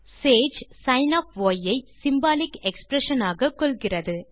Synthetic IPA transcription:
seːd͡ʒsɐɪnɐːfʋoːjɐɪsɪmbaːlɪkɛkspɾɛʂɐnaːɣɐkːɔɭɣɪrɐðɯ

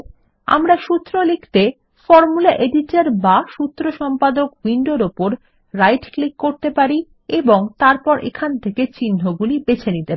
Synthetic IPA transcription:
a̰mɾaʃut̪ːɾolekʰt̪e | fɔɾmulaʔeɖiʈaɾbaʃut̪ːɾoʃɔmpad̪okwiɳɖoɾopoɾ | ɾajʈklikːoɾt̪epaɾi | eboŋt̪aɾpɔɾʔḛkʰant̪ʰeket͡ɕinːoɡulibet͡ɕʰenit̪epai

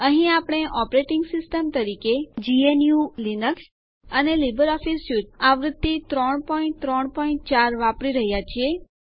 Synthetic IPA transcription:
əɦĩapɽ̃eʔɔpɾeʈɪŋɡsɪsʈəmt̪əɾiked͡ʒienjulinəks | ənelibəɾɔfisutaʋɾəd̪ːit̪ɾɔɳ̃pɔĩɳt̪ɾɔɳpɔĩɳ̚t͡ʃaɾʋapɽiɾəɦjat͡ʃʰie

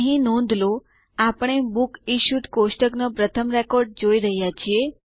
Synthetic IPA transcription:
ɦĩnɔ̃nd̪ʱlo | apəɳ̃ebukiʃut̪kosʈəknopɾət̪ʰəmɾekoɾɖ̚d͡ʒoiɾəɦjat͡ʃʰie

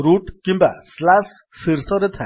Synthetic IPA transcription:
ɾuʈkimbaslas | fiɾsɔɾet̪ʰã

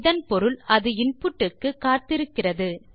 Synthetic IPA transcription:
ðɐnpɔɾɯlɐðɯɪnpɯʈːɯkːɯkːaːɾt̪ɪɾɯkːɪrɐðɯ

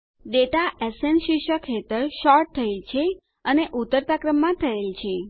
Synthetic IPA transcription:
ɖeʈaʔɛsenʃiʃəkʰːet̪əɾʃɔɾʈ̚t̪ʰəelt͡ʃʰe | əneʔut̪ːəɾt̪akɾəmːãt̪ʰəelt͡ʃʰe

